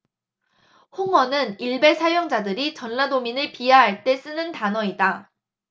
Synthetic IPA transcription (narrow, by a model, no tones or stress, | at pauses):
hoŋʌnɯniɭbe̞sʰajoŋd͡ʑadɯɾit͡ɕʌnːadominɯɭpiaɦaɭt͈e̞s͈ɯnɯntanʌida